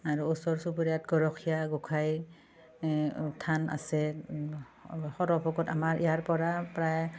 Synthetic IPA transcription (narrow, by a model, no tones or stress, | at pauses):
aɹuusɔɹsubuɹjatɡɔɹɔkʰijaɡɔkʰaj | tʰana̰sɛ | xɔɾɔpʰɔɡɔtamaɹʔijaɹpɔɹapɹaj